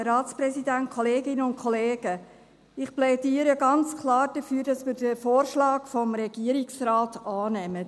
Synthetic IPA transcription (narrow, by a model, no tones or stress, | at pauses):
ɾɑːtt͡spɾɛsidænt̚kʰɔleːɡɪnəʊntkʰɔleːɡ̥ə | ɪχplɛdiːɾəɡɑnt͡skʰlɑːɾd̥əfyːɾd̥ɑsmiːɾdəfoːɾʃlɑːɡfɔmɾɛɡiːəɾɪksɾaːtɑːnɛmə